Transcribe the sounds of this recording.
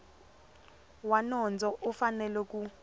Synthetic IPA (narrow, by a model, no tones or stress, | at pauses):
wanɔnd͡zʱɔʔɔfanɛlɛk̬u